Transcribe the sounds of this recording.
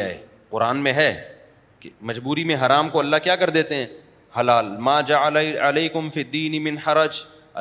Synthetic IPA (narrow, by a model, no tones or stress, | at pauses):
a̰ːḛː | qʊɾaːnmẽɦɛː | kemɐd͡ʒbuːɾimẽɦɐɾaːmkoɐlːaɦkjaːkɐɾd̪eːt̪eɦɛ̃ː | hɐlaːlmaːd͡ʒaaleːkʊmfiːd̪ːiːnɪmɪ̃nħɐɾɐd͡ʒ | ɐ